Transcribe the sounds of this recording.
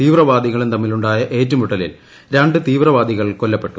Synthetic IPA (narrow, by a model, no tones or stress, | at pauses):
t̪iːʋrɐʋaːd̪ʱiɣɐɭumt̪ɐmːiluɳɖaːjɐʔe̞ːtːɐmuʈːɐlḭl | ɾaɳɖɨt̪iːʋrɐʋaːd̪ʱiɣɐɭko̞lːɐpːe̞ʈːu